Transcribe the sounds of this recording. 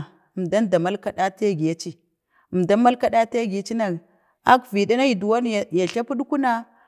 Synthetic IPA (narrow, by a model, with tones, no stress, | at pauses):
mda˦nda˨ma˦lka˦ɗa˦te˦ɡi˨ja˦t͡ʃi˦ | ə˨mda˦ma˦lka˦ɗa˦te˦ɡi˨˦t͡ʃi˦na˨k | a˦kvi˨da˦na˦i˨du˨wa˦n˦˨ja˨ɬa˦pu˦ɗu˦ku˦na˦